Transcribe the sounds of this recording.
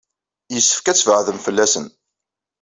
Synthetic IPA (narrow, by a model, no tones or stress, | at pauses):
jəsːə̥fkæt͡sːvəʕðəmfəlːæsən